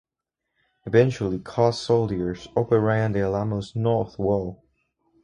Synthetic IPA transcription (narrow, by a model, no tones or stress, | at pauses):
ɨvɛ̃nt͡ʃul̩ˠikʰɔssoʊlˠdiə˞zopəɹæ̃ndiəlamoznɔɹθwɔlˠ